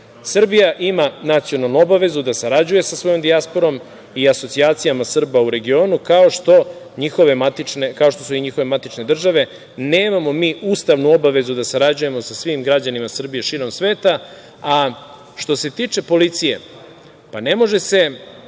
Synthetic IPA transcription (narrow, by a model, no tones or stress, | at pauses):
sr̩bijaʔimanat̪sio̞nalˠnuo̞baʋe̞zud̪asaɾad͡ʑuje̞sasʋo̞jo̞md̪iaspo̞ɾo̞m | iaso̞t̪siaːt̪sijamasr̩bauɾe̞ɡio̞ːnukao̞ʃt̪o̞ | ɲixo̞ʋe̞mat̪it͡ʃnekaoʃt̪o̞suiɲixo̞ʋe̞mat̪it͡ʃne̞d̪r̩ʒaʋe̞ | neːmamo̞miːust̪aʋnuo̞baʋe̞zud̪asaɾad͡ʑuje̞mo̞sasʋimɡɾad͡ʑanimasr̩bije̞ʃiːɾo̞msʋe̞ːt̪a | a | ʃt̪o̞se̞t̪iːt͡ʂe̞po̞lit̪sije̞̰ | pane̞mo̞ʒe̞se̞